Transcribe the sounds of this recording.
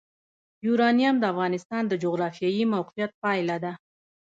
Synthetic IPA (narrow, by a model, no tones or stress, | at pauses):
juɾɑnijamd̪əafɣɑnɪst̪ɑnd̪əd͡ʒʊɣɾɑfijɑjimawqijat̪̚pɑjlad̪a